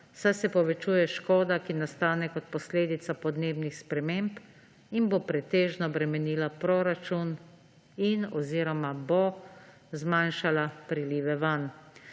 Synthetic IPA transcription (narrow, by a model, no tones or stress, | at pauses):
sajsɛpɔʋɛt͡ʃuːjɛʃkɔːd̪akinast̪aːnɛkɔt̪̚pɔsleːd̪it̪sapɔd̪neːbnixspɾɛmemp | inbopɾɛt̪eːʒnɔbɾɛmɛniːlapɾoːɾat͡ʃun | inɔziːɾɔmabo | zmanʃalapɾiliːʋɛʋan